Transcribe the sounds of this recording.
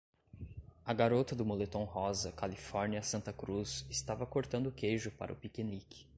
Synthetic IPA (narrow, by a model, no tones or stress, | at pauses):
ɐɡaɾot̪ɐd̪ʊmolet̪ɐ̃w̃hɔzɐkalifɔɾniɐsɐ̃nt̪ɐkɾuzɪst̪avɐkoɾt̪ɐ̃nd̪ʊkejʒʊpa̰ɾʔɐʊpikenikɪ̥